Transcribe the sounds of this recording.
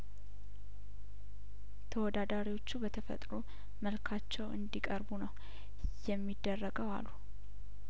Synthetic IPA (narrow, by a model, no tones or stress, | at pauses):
t̪ʰəwɔd̪ad̪aɾiwo̞t͡ʃːubət̪ʰəfə̰t̪ʼɾu | məlkʰat͡ʃːɛwɨ̰nd̪ikʼəɾbunəw | jɛmːid̪ːərːəɡəwa̰lːu